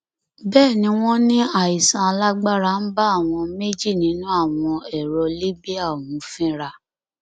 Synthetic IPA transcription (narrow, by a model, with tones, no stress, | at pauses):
bɛː˦˨nĩ˨˦w̃ɔ̃˦nĩ˦a˦˨i˨sã˨˧a˧la˦ɡ͡ba˦ɾa˧˨n̩˦ba˦a˦˨w̃ɔ̃˧me˦d͡ʒi˦˨nĩ˨˦nũ˦a˦˨w̃ɔ̃˧ɛ˨ɾɔ˧li˦bi˦a˦˨wũ˨˦fĩ˦ɾa˧